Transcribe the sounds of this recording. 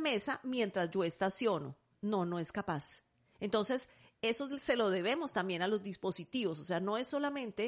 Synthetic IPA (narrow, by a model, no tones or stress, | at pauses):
me̞samjẽ̞nt̪ɾazd͡ʒo̞est̪asjo̞no̞̰ | no̞no̞e̞skapas | ent̪o̞nse̞s | e̞sose̞lo̞ðe̞βe̞mo̞st̪ambje̞nalo̞zd̪ispo̞sit̪iβo̞sose̞ano̞e̞sːo̞lamẽ̞nt̪e